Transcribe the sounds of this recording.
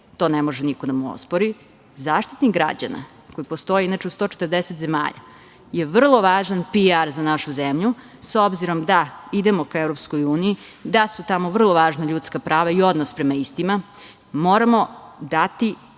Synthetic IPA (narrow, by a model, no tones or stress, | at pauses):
t̪o̞ːnemo̞ʒenikod̪amuo̰spoɾi | zaːʃt̪it̪niɡɡɾa̰d͡ʑa̰na̰ | ko̞jipo̞st̪o̞jeinat͡ʃeud̪st̪o̞ːt͡ʃet̪ɾd̪eset̪ze̞ma̰ːʎa̰ | je̞ʋr̩lˠo̞ʋaːʒanpiaɾzanaʃuzemʎu | so̞bziɾo̞md̪aid̪emo̞kaevɾopskojuːniid̪asut̪amoʋr̩lˠo̞ʋaːʒnaʎut̪skapɾaːʋaio̞d̪nospɾemaist̪ima | mo̞ːɾamo̞d̪at̪i